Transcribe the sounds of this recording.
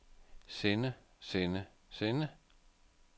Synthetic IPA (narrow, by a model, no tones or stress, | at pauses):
senə | senə | senə